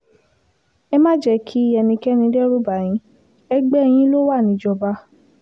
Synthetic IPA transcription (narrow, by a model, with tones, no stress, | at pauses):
ɛ˧mã˦d͡ʒɛ˧˦kʰi˦ɛ˧nĩ˧kɛ˦nĩ˧˦dɛ˦ɾu˦ba˨j̃ĩ˨˧˦ | ɛ˧ɡ͡bɛ˦ɛ˧j̃ĩ˦lo˦wa˦˨nĩ˨˦d͡ʒɔ˧ba˧˦